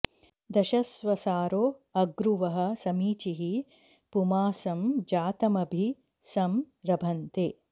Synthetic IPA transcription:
d̪ɐʃɐsʋɐsaːɾoːɐɡɾuʋɐɦɐ̆sɐmiːt͡ʃiɦi | pumaːsɐmd͡ʒaːt̪ɐmɐbʱi | sɐm | ɾɐbʱɐnt̪eː

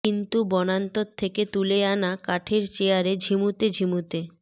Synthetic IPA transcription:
int̪ubɔnant̪ot̪ʰːeket̪uleanakaʈʰeɾt͡ɕeaɾed͡ʑʱimut̪ed͡ʑʱimut̪e

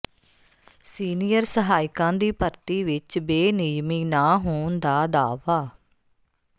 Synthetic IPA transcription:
siːnijəɾsəɦaːɪkãːd̪iːpəɾt̪iːʋɪt͡ʃbeːnɪd͡ʒmiːnaːɦoːnd̪aːd̪aːʋaː

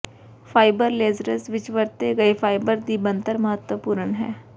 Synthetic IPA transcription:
fʰaːɪbəɾleːzɾəsʋɪt͡ʃʋəɾt̪eɡɐefʰaːɪbəɾd̪ibə̃nt̪əɾməɦət̪wəpuːɾəɳɦɛ̰ː

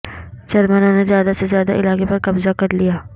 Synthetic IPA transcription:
t͡ʃɐɾmnõnezjaːd̪asezjaːd̪a̰ʔɪlaːkepɐɾkɐbzakɐɾlijaː

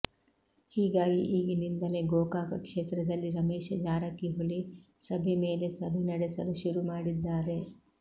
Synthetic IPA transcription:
hiːɡaːɡiʔiːɡinind̪ɐle̞ɡoːkaːkɐkʂeːt̪ɾɐd̪ɐlːiɾɐmeːʃɐd͡ʒaːɾɐkːiɦulisɐbʱemeːle̞sɐbʱɛnɐɽesɐluʃuɾumaːɽid̪ːaːɾe̞

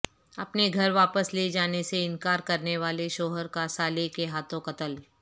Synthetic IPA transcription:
ɐpneɡʱɐɾʋaːpəsled͡ʒaːneseɪnkaːɾkɐɾneʋaːleʃoːɦəɾkasaːlekeɦaːt̪õkɐt̪əl

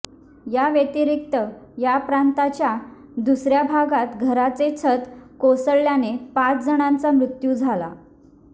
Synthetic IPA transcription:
jaʋjet̪iɾik̚t̪əjapɾant̪at͡ɕja | d̪usɾjabʱaɡat̪ɡʱəɾat͡set͡sʰət̪kosəɭjanepat͡sd͡zəɽ̃ãnt͡samɾut̪jud͡zʱala̰

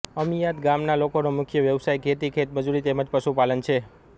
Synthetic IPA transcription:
əmijad̪ɡamnalokonomʊkʰjəʋjəʋsajkʰet̪ikʰet̪məd͡ʒuɾit̪eməd͡ʒpəʃupalənt͡ʃʰe

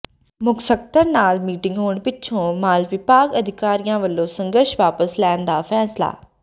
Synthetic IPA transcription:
mʊksək̚t̪əɾnaːlmiːʈɪ̃ŋɡɦoːɳpɪt͡ʃʰõːmaːlʋɪpaːɡəd̪ʱɪkaːɾɪjãːʋəlːõːsə̃ŋɡəɾʃʋaːpəslɛːnd̪aːfʰɛːsla̰ː

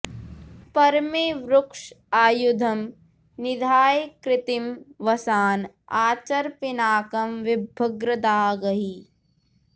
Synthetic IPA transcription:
pɐɾmeːʋɾʊkʂaːjud̪ʱɐm | nɪd̪ʱaːjkɾɪt̪imʋɐsaːn | aːt͡ʃɐɾpɪnaːkɐmʋɪbʱɐɡɾɐd̪aːɡɐɦi

